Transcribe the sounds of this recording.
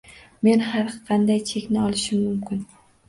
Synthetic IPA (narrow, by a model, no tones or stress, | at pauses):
me̞nhaɾqʰɑnd̪ajt͡ʃʰe̞kʲnɪɒlˠɪʃɪmːʊmkʲʰɪn